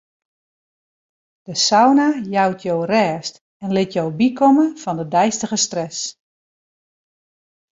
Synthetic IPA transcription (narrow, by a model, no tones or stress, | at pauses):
d̥əsawnajawtʰjowrɛːst | ɛnlɪtjowbikʰɔmənfɔndədɛjstəɣəstrɛs